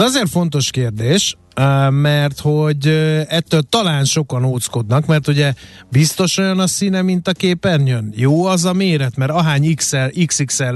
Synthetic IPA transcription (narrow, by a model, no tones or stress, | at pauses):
ɒzeːrfo̞n̪t̪o̞ʃkeːrd̪eːʃ | mɛrt̪ho̞ɟɛt̪ːøːlt̪ɒlaːnʃo̞kɒnoːt̪sko̞d̪nɒkmɛrt̪uɟɛ | bist̪o̞ʃo̞jɒnɒsinɛmint̪ɒkeːpɛnjønjoːɒzɒmeːɾɛt̪mɛɾɒɦaːɲiksɛliksiksɛl